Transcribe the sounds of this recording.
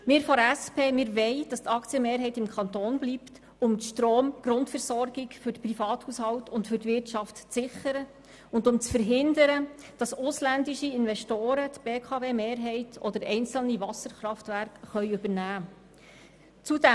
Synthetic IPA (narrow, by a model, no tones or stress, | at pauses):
mɪːɾfɔɾæspʰeːmɪːɾʋɛɪd̥ɑst̪ɑkt͡sjəmeːɾɦɛɪtɪmkʰɑntoːnblipt | ʊmʃtɾoːmɡ̥ɾʊntfəɾsɔrɡɪɡfʏɾdəprifɑːthushɑwtʊntfʏɾtʋɪrtt͡ʃɑftt͡sɪχəɾə | ʊndʊmt͡sfəɾɦɪndəɾə | d̥ɑsʊslændɪʃiɪnvɛʃtoːɾətb̥eːkʰɑveːmeːɾɦɛɪtʰɔ̰d̥əɾɛɪnt͡sl̩nivɑsəɾχɾɑftværkχœʏʉbəɾnæː | t͡sudɛ